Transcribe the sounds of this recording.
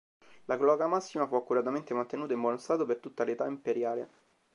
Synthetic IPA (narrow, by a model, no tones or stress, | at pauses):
laɡlɔɡamasːimafuakːuɾat̪ament̪emant̪enuːt̪aimbwɔnost̪aːt̪opert̪ut̪ːalet̪aimpeɾjaːlḛ